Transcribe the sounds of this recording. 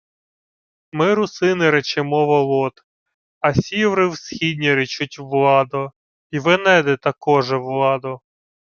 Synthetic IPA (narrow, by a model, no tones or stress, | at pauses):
mɪɾʊsɪnɪɾɛt͡ʃemɔʋɔlˠɔt̪ | ɐsʲiwɾɪwsxʲidʲnʲiɾɪt͡ʃʊtʲʋlˠɑd̪ɔ | iʋɪnɛd̪ɛt̪ɐkɔʒɛʋlˠɑd̪ɔ